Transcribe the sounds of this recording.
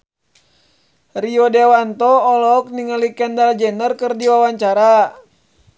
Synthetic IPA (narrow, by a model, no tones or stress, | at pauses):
riɔdɛwant̪ɔːlɔk̚niŋalikɛndald͡ʒɛnərkɨrdiwawaɲt͡ʃaɾa